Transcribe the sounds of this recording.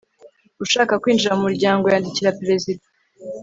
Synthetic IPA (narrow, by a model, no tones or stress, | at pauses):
uʃaːkakwiːnd͡ʒiɾaumuɾɟaːŋɡojaːndiciɾapɾe̞zida